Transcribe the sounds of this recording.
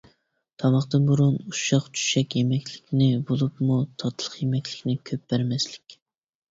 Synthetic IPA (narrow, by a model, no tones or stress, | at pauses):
t̪ʰɑmɑχt̪ɨnbuɾunuʃɑqt͡ʃʰy̥ʃɛkʲjemɛkʲlɪkʲnɪbolˠupmut̪ʰɑt̪ʰlˠəχjemɛkʲlɪ̥kʲnɪkʲʰøp̚bæɾmɛslɪkʲ